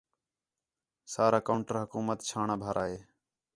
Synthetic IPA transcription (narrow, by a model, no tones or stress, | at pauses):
saːɾaːkaːɳʈəɾɦʊkuːmət̪t͡ʃʰaːɳaːbʱaːɾʔaːɦeː